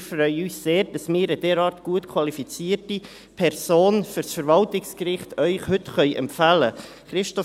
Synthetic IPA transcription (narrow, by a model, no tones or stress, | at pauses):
fɾœʏəyːsseːɾd̥ɑsmɪːɾəd̥ɛːɾɑːɾtɡ̥uətkʰwɑlifit͡siːərti | pʰɛrsoːnfʏɾsfəɾvɑltɪkskɾɪχtœʏχhɵtχœʏʔɛ̰mpfælə | χɾɪʃtɔ